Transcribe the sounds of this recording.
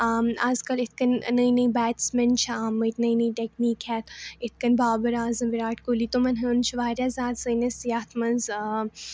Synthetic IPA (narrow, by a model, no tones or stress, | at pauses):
amaːzkɐlɪt̪̚ʰkɐnnɐinɐibɛːt̪smɐnt͡ʃʰaaːmɨt̪ʰnɐinɐiʈekniːkhɛːt̪ɪt̪̚ʰkɐnbaːbɐɾaːzɐmʋiɾaːʈkolit̪omɐnɦɐnt͡ʃʰuʋaːɾjazaːt̪səːnɐsjaːt̪ʰmɐnz